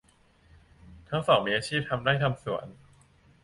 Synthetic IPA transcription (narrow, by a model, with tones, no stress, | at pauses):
t̪ʰa˦˥ŋsɔː˩˦ŋmiː˧ʔaː˧t͡ɕʰiː˥˩p̚t̪ʰa˧mdaː˥˩jt̪ʰa˧msu˨˩˦ən